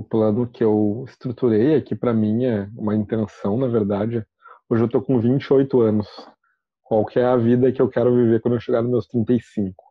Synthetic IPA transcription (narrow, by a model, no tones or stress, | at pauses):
ʊplɐ̃nʊkɪewɪst̪ɾut̪uɾejɛkɪpɾɐmĩɛũmɐĩnt̪ẽsɐ̃w̃nɐveɾd̪ad͡ʒɪɛ | oʒɪewt̪okõvĩnt͡ʃɪojt̪ʊɐ̃nʊs | kwawkʰɪɛɐvid̪ɐkɪewkɛɾʊviveɾkwɐ̃d̪oewʃeɡaɾnʊmewst̪ɾĩnt̪ejsĩŋkʊ̥